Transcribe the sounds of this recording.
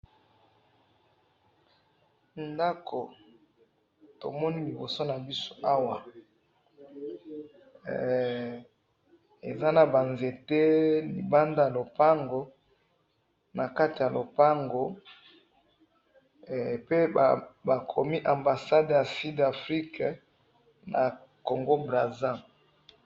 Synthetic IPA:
nda˦kʰo˨ | to̰˨mɔ˦ni˦li˨bo˨so˦na˨bi˦so̥˦ʔa˦wa˨ | e˨za˦na˨ba˨nze˨te˦lḭ˨ba˦nda˦ja˨lo˨pa˦ŋɡo˨ | na˨ka˦ti˨ja˨lo˨pa˦ŋɡo˦˨ | pe˦˨ba˨kʰo˨mi˦ʔa˨mba˨sa˦dja˨si˦da˨fʁi˦k | na̰˨ | ko˨ŋɡo˦bʁa˨zã˦

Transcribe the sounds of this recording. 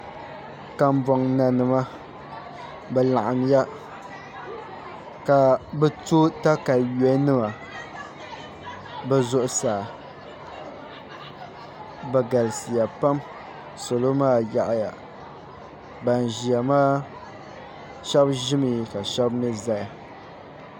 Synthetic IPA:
ka˦m˦bɔ˨ŋna˨nɨ˨ma˦ | bɛ˨la˨ʔa˨n˦ja˦ | ka˨bɛ˦to˦ta˦ka˨jɛ˨˦nɨ˦ma˨ | bɛ˦zʊ˦ʔʊ˦saː˨ | bɛ˨ɡa˨lɨ˨sɨ˨ja˨pa˦m | so˨lo˦maː˦˨ja˨ʔja̰˨ | ba˨n˨ʒi˨a˨maː˦ | ʃɛ˦bʒɪ˦mɨ˨ka˨ʃɛ˦bnɨ˦za˦ja˨

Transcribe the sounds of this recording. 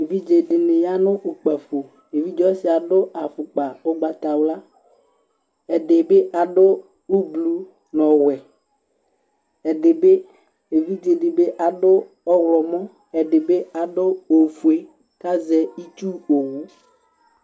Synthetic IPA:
e˨vi˦d͡ʒe˨ɖɪ˨ne˨ja˦nʊ̃˦ʔo˨k͡pɛ˨ɸo˨ | e˨vi˦d͡ʒɔ˦sɪ˨a˨ɖo˦a˨fʊ˨k͡pa˨o˦ɡ͡ba˨t̪a˨wla˦ | ɛ˨ɖe˨be˦ʔa˨ɖo˦ | u˦blu˦ | nɔ̃˨wɛ˨ | ɛ˨ɖe˨be˦ | e˨vi˦d͡ʒe˨ɖe˨be˦ʔa˨ɖo˦ | ɔ˦wlɔ˨mɔ̃˦ | ɛ˨ɖe˨be˦a˨ɖo˦o˨fu˨e˨ | ka˦zɛ˨i˦t͡ʃu˦o˨wu˦

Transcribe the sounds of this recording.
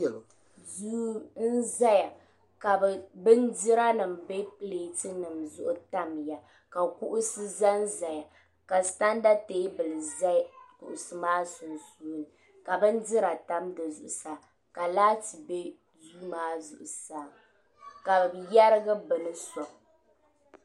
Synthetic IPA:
zu˦n̩˦za˦ja˨ | ka˨bbɨ˦n˦dɪ˦ɾa˦nɨ˨mbe˦pɨ˦leː˨tɨ˦nɨ˨mzʊ˦ʔʊ˦ta˦m˨ja˨ | ka˨kʊ˦ʔʊ˦sɨ˦za˦n̩˦za˨ja˨ | ka˨sta˦n˦da˦teː˦bɨ˨lɨ˨za˦kʊ̰˨ʔʊ˨sɨ˨maː˦sʊ˨nsuː˦lɨ˨ | ka˨bɨ˦n˦dɪ˦ɾa˨ta˦mdɨ˨zʊ˨ʔʊ˨saː˨ | ka˨laː˦tɨ˨be˦ | zuː˦maː˦zʊ˨ʔʊ˨saː˨ | ka˨ja˦ɾɨ˦ɡɨ˦bɨ˨nɨ˦sɔ˨

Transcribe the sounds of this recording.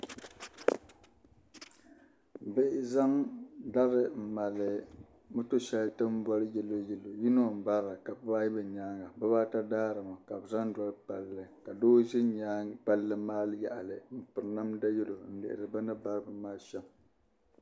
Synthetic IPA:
bɪ˦ʔɪ˦za˦ŋda˦ɾɨ˨m̩˨ma˨lɨ˨ | mɨ˦to˦ʃɛ˦ltɨ˦m˦bwa˦ɾɨ˦jɛ˦lːo˦jɛ˦lːo˨ji˦no˦˨m̩˨ba˦ɾa˨ka˨bɨ˦baː˦ji˦bɨ˨ɲaː˦ŋɡa˨bɨ˦baː˦ta˦daː˦ɾɨ˨ma˨ka˨bɨ˨za˦ŋ˦dwɔ˦ɾɨ˦pa˨lːɨ˦ka˨doː˦ʒɪ˦ɲa˦pa˦lːɨ˦maː˦lɨ˦ja˨ʔa˨lɨ˨m̩˨pɨ˨ɾna˦mda˦jɛ˦lo˨n̩˦˨lɪ̰˨ʔɪ̰˨ɾɨ˨ba˦nɨ˦ba˦ɾɨ˦bɨ˨maː˦ʃɛ˦m

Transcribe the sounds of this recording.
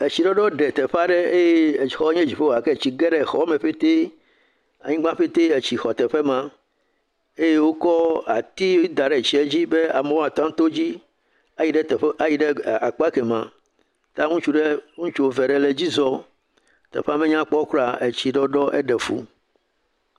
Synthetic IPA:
e˨t͡ɕi˨ɖɔ˦ɖɔ˦ɖɛ˨t̪ɛ˨ɸa˦ɖe˦e˦je˦˨xɔ˦ɲẽ˦d͡ʑi˨ɸe˦wa˨ke˦˨t͡ɕi˨ɡɛ˦ɖɛ˨xɔ˦me˨ɸe˦t̪e˦ | a̰˨ɲĩ˦ɡ͡bã˦ɸe˦t̪e˦e˨t͡ɕi˨xɔ˨t̪ɛ˨ɸe˦mã˦ | e˦je˦wo˦kɔ˦a̰˨t̪i˦wi˦d̪a˨ɖe˨t͡ɕi˨e˨˦d͡ʑi˦be˦a˨me˨wɔ̃˦a˨t̪a˦t̪o˦d͡ʑi˦ | a˨ji˨ɖe˦t̪ɛ˨˦a˨ji˨ɖe˦a˨k͡pa˦ke˨mã˨ | t̪ã˦ŋũ˦t͡ʃu˦ɖe˦ŋũ˦t͡ʃu˦wo˦ve˨ɖe˨le˨d͡ʑi˦zɔ˦ | t̪ɛ̰˨ɸa˦me˦ɲã˦k͡pɔ˦kɾa˨e˨t͡ɕi˨ɖɔ˦ɖɔ˦ʔḛ˦ɖɛ˨fṵ˦

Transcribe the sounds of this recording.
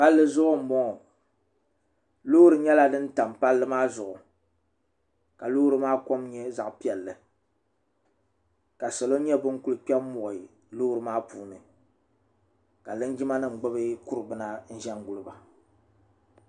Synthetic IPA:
ka˦lːɨ˦zʊ˦ʔʊ˦m̩˨mbɔ˦ŋ˨ | lu˦ɾɨ˨ɲɛ˦la˦dɨ˦n̩˦ta˨mpa˦lːɨ˦maː˦zʊ˨ʔʊ˨ | ka˨lu˦hɾɨ˦maː˦ko˦mɲɛ˦za˨ʔpi˦ɛ˨lːɨ˨ | ka˨sɛ˨lo˦ɲɛ˦bɨ˦ŋ˦ku˦lɨ˨k͡pɛ˦mɔ˨ | lu˦hɾɨ˨maː˦puː˦˨nɨ˨ | ka˨lɨ˦nd͡ʒi˦ma˦nɨ˦˨ŋ͡m̩˨ɡ͡bɨ˦bɨ˦ku˦ɾɨ˨bɨ˦na˦n̩˦ʒɛ˦ŋ˦ɡu˨lɨ˨ba˨

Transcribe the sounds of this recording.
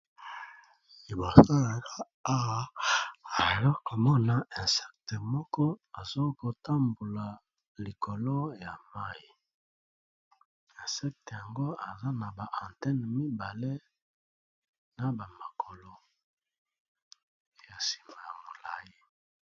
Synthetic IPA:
i˨bo˨sa˦la˨ka˦ | a˦a˨je˨lo˦ko˨mɔ˦na˨ɛ̃˨sɛ˦k̚te˨mɔ˦kɔ˦a˨zo˦ko˨ta˦mbo˨la˨ | li˨kʰo˨lo˦ja˨ma˦ji˨ | ɛ˨sɛ˦k̚te˨ja˨ŋɡo˦a˨za˦na˨ba˨ʔã˨ntɛ˦n˨mi˦ba˨le˦ | na˨ba˨ma˨kʰo˨lo˦ | e˦ja˨si̥˨ma˨ja˨mo˨la̰˨je˦

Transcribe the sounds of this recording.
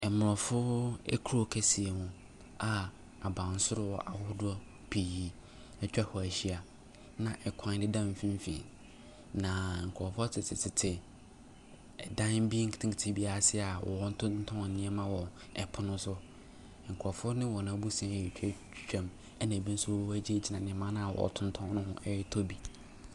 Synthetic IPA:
ɛ˨mʊ˨ɾɔ˨fʊ˦ɛ̰˦kʰu˦o˦˨kʰæ˦si˨e˨hũ˦ | a˨ | a˨bã˨n˦sʊ˦ɾʊ˦wɔ˨ʔa˨hʊ˦dʊ˦ɔ˦ | pʰi˨ji˦ | ɛ˨t͡ɕᶣa˦hɔ˨æ˨ɕi˦a˨ | nã˨ʔɛ˨kʷʰã˦dɪ˦dã˦m̩˨fĩ˦m˦fḭ̃˨ | nã˨ŋ̩˨kʰɔ˨fʊ˦tʰɪ˨tʰɪ˨tʰɪ˨tʰɪ˨ | ɛ˨dã˦nbi˦ŋ̩˦kʰɪ˨tʰĩ˦kɪ˨tʰɪ̃˦bi˦a˨sɪ˦a˨wʔɔ̰˨˦n˦tʰʊ˦n̩˦tʰɔ̃˦˨nɪ̃˦ɛ˦mã˦wɔ˨ | ɛ˨pʰʊ˦nʊ̃˦sʊ˦˨ | ŋ̩˨kʰɔ˨fʊ˦ʊ˦nɪ̃˦wɔ˨nã˨˦bu˦sã˦˨ɛ˨t͡ɕᶣʰɛ˦t͡ʃᶣt͡ɕᶣã˦m | ɛ˦nã˨bĩ˦n̩˦sʊ˦wɔ˦wæ˦d͡ʑi˦e˦d͡ʑi˨nã˨nɪ̃˨˦mã˦nã˦a˨wɔ̰˨tʰʊ̃˦n˦tʰɔ̃˦nʊ̃˦hʊ̃˦ʔɛ˦ɾɪ˦tʰo˦bi˨

